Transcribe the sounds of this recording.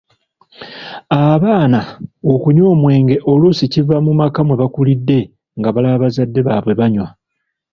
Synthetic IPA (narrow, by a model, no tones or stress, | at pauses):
aβaːnaokuɲo̞ːmwe̞ːŋɡe̞ʔo̞lusicivamumakamwe̞βakulidːe̞ | ŋɡaβalaβazadːe̞βaβwe̞βaɲwa